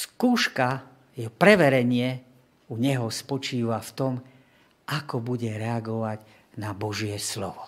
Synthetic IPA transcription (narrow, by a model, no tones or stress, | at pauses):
skuːʃka | jɛɔpɾɛʋɛɾɛɲɪɛ | uɲɛɦɔspɔt͡ʃiːʋaft̪ɔm | ʔakɔbuɟɛɾɛaɡɔʋaɟ | nabɔʒɪɛslɔ̰ʋɔ